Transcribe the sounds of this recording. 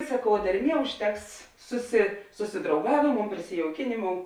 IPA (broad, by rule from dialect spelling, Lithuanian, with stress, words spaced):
sɐˈkɐʊ dʲɛrʲˈmʲiɛ ʊʃʲˈtʲɛks sʊsʲɪ sʊsʲɪdrɐʊˈɡɑːʋʲeːˌmoːʊ pʲrʲɪsʲɪjɛʊˈkʲɪnʲeːˌmoːʊ